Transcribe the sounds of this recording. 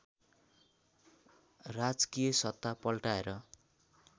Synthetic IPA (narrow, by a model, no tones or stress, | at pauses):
rad͡zkijʌsʌt̪ːapʌlʈaeɾʌ